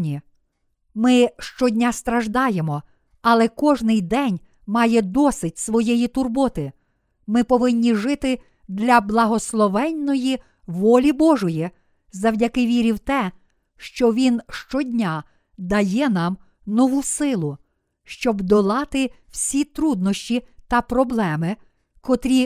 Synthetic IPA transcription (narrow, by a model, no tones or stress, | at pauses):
i | mɪʃt͡ʃɔdʲnʲast̪ɾɐʒd̪ɑjemɔ | ɐlˠɛkɔʒnɪjd̪ɛnʲ | mɑjɛd̪ɔsɪdʲsʋɔjɛjit̪ʊrbɔt̪ɪ | mɪpɔʋɪnʲːiʒɪt̪ɪ | d̪ʲlʲɐblˠɐɦɔslˠɔʋɛnːɔji | ʋɔlʲibɔʒɔji | zɐwdʲɐkɪʋʲiɾʲiwt̪ɛ | ʃt͡ʃɔʋʲinʃt͡ʃɔdʲnʲa | d̪ɐjɛnɑm | nɔʋusɪlˠʊ | ʃt͡ʃɔbd̪ɔlˠɑt̪ɪw̥sʲit̪ɾud̪̚nɔʃʲt͡ʃʲit̪ɐpɾɔblˠɛmɪ | kɔt̪ɾʲi